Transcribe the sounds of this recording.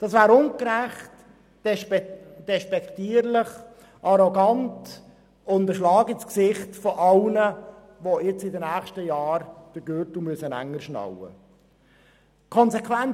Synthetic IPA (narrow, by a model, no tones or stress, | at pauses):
d̥ɑsvæːɾʊŋkɾæχt | d̥ɛd̥ɛʃpɛktiːəɾlɪχ | ʔɑɾɔɡɑnt | ʊndəʃlɑːɡəsksɪχtfɔʔɑlnə | ʋoɪt͡sɪdənæːχʃtəjɑːɾd̥əɡ̥øːɾtumyəsənæ̰ŋːəɾʃnɑ̰wə̰ | kʰɔnsɛkʰvɛn